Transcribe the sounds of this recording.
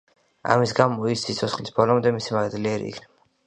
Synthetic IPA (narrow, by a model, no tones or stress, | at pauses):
a̰misɡamɔissit̪sʰɔsχlisbɔlˠɔmd̪ɛmisimaɡd̪liɛɾḭːkʰnɛba